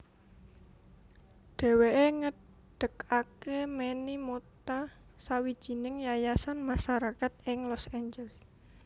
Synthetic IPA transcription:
ɖ̪̥e̤weʔeŋə | ɖ̥ə̤kakemenimot̪a | sawi̥ʒ̥i̤nɪŋjajasanmaʃaɾakat̪̚ɪŋlɔseɲd͡ʒɛls

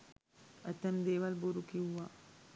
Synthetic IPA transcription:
ɐt̪ːɐmd̪eːʋɐlbuɾukiwːa

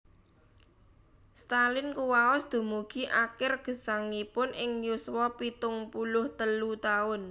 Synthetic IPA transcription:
st̪alɪnkuwaɔsd̪̥o̤muɡ̥i̤ʔakɪrɡ̥ə̤saŋnipʊnʔɪŋjuswɔpit̪ʊŋpulʊht̪əlut̪aʊn

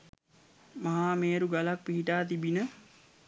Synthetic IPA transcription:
maɦaːmeːɾuɡalak̚piɦiʈaːt̪ibinə

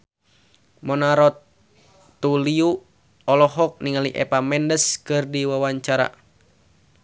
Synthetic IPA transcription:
mɔnaɾɔt̪ː | uliu | ɔlɔɦɔk̚niŋaliʔɛ̰pamɛndəskɨrdiwawaɲt͡ʃaɾa̰

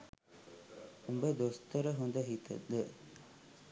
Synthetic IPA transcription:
umbed̪ost̪əɾəɦund̪ɐɦit̪ə̰d̪ə

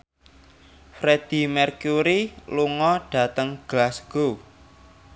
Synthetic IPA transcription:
fɾed̪̥i̤mɛrkuɾiluŋɔɖ̥ä̤t̪əŋɡ̥lasɡ̥o

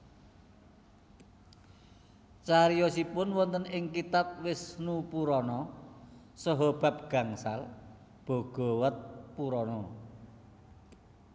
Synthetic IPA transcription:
t͡ʃaɾijɔsipʊnwɔnt̪ənɪŋkit̪ap̚wɪsnupuɾɔnɔ | sɔɦɔb̥a̤p̚ɡ̥a̤ŋsal | b̥o̤ɡ̥ɔ̤wət̪̚puɾɔnɔ

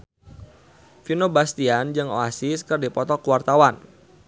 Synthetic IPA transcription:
finobast̪iand͡ʒɨŋo̰asiskɨrdipɔt̪ɔkuwart̪awan

